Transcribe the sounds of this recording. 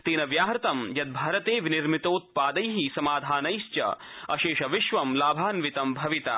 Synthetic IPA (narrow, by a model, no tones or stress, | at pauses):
t̪iːnɐʋjaːɦɾt̪ɐmjɐd̪̚bʱaːɾɐt̪eːʋiniɾmit̪oːt̪̚paːd̪ɐjɦisɐmaːd̪ʱaːnɐjʃt͡ʃɐ̰ | ɐ̰ʃeːʃɐʋɪʃʋɐmlaːbʱaːnʋit̪ɐmbʱɐʋit̪a̰ː